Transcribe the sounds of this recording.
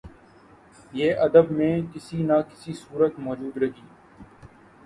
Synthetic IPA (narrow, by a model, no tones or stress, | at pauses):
jeːʔɐd̪əbmẽːkɪsinakɪ̥sisuːɾət̪mɔːd͡ʒuːd̪ɾɐɦiː